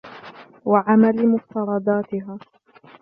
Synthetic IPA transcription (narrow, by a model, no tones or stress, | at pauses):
waʕamalmʊft̪ɑɾˤɑd̪aːt̪ɪɦaː